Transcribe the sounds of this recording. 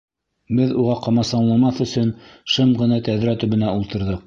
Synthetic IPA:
bɘðuʁɑqɑmɑsɑnlˠɑmɑθɵ̆sɵnʃɤmʁɤ̆nɑt̪æðɾæt̪ɵ̆βɘ̆næulˠt̪ɤ̆ɾðɤq̚

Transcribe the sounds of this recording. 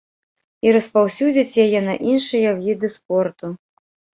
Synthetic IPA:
iɾɐspawsʲud͡zʲit͡sʲjajɛnɐʔinʂɨjɐwvʲid̪ɨspɔrt̪u

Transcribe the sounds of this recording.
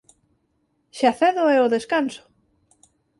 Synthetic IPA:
ʃaθɛðoɛoðeskanso̥

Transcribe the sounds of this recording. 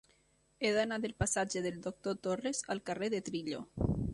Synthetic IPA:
eðanaðelpasad͡ʒeðeld̪ok̚t̪ot̪orezalˠkareðet̪ɾiʎo

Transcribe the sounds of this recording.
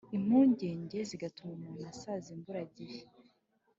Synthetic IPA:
im̥huːɲɟe̞ːɲɟe̞ziɡatumamumasazimbuɾaɟiɾe

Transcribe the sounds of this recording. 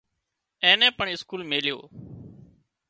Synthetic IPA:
ẽːnɛ̃ːpəɳɪskuːlmeːljo̰ː

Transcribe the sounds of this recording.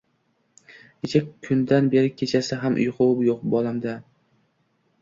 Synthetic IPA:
et͡ʃʰakʲʰːʊnd̪anbeɾɪkʲʰet͡ʃʰasɪɦamʔʊ̰jqʰʊwʊpjoqbɒlˠamd̪a

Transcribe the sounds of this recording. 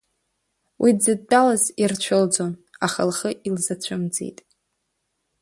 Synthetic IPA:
wʔid͡zɨd̚ːʼalazirt͡ɕʷʰɨld͡zonaχəlχəʔilzat͡ɕʷʰʊmd͡zḛjtʼ

